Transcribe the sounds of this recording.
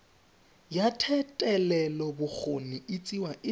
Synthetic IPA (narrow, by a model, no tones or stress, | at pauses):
jatʰɛtʼɛlɛlɔbʊk͡xʰoniɪt͡sʼiwaʔɪ